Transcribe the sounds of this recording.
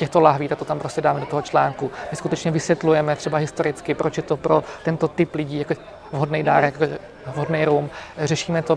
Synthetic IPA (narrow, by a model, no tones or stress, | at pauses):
cɛxt̪olaɦviːt̪at̪ot̪ampɾo̞scɛdaːmɛdot̪oɦot͡ʃlaːŋkumɪskut̪ɛt͡ʃɲɛvɪsvjɛt̪lujɛmɛt̪r̝ɛbaɦɪst̪oɾɪt͡skɪpɾot͡ʃjɛt̪opɾo̞t̪ɛnt̪o̞t̪ɪplɪɟiːjako | vɦodnɛjdaːɾɛko | vɦodnɛjɾuːmrɛʃiːmɛt̪o